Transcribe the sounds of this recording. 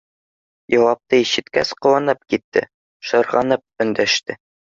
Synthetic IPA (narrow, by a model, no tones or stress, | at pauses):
jɑwɑp̚t̪ɤiɕɘ̆t̪kæsqŏwɑnɤp̚kit̪ːɘ̰ | ʃɤ̆ɾʁɑnɤp̚ɵ̆nd̪æʃt̪ɘ